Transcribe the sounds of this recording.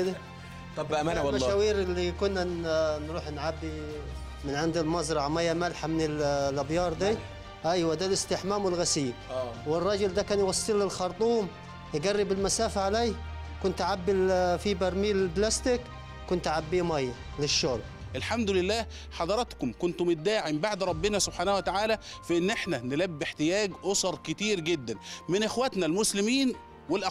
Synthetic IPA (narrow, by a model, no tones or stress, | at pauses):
d̪aˤ | maʃawiːɾɪlːikʊnːanɾuːħnʕabːi | mɪnʕɪnd̪ɪlmɑzˤɾˤɑʕmɑjːamalħamɪnɪllʔɑbjɑːɾˤd̪iː | ʔæjːwad̪alɪst̪ɪħmaːmwɪlɣasɪjːwɪrˤːɑːd͡ʒʊld̪ækæːnjwɑsˤːilːɪlxɑɾˤt̪ˤuːm | jɪɡarːɪbɪlmasaːfaʕaleːkʊnt̪aʕabːɪlfibɑɾˤmiːllblast̪ɪk | kʊnt̪ʕabːiːmɑjː | lɪʃːoːl | ʔɪlħamd̪ʊlɪlːæːh | ħɑd̪ˤɑɾˤɑt̪kʊmkʊnt̪ʊmʊt̪̚d̪aːʕimbaʕd̪ɾˤɑbːɪnæsʊb̥ħaːnæhuwæt̪aʕaːlæfæʔɪnːʔeħnænɪlæbːɪħt̪ɪjæːɡʔosɑɾˤkɪt̪iːɾɡɪd̪ːænmɪnʔɪxwæt̪nælmʊslɪmiːn | wɪlʔ